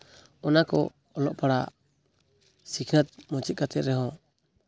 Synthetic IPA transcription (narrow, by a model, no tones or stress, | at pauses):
ɔnakɔ̰ | ɔlɔ̰ʔpaɽa | sikʰnat̪̚mɔ̃t͡ʃɛt̪̚kat̪ɛt̪̚ɾɛɦɔ̃